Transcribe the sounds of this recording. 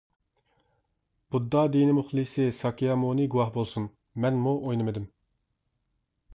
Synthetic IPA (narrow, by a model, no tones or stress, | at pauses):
b̥ud̪ːɑd̪inɪmuχlˠɨsɪsɑkijɑmunɪɡuwɑhbolˠsun | mɛnmuʔojnɨmɨd̪ɪm